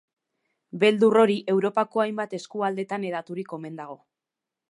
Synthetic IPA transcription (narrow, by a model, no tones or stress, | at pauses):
be̞ld̪uro̞ɾiʔe̞wɾo̞pako̞ajmbat̪e̞skuald̪e̞t̪ane̞ðat̪uɾiko̞me̞nd̪aɣ̞o̞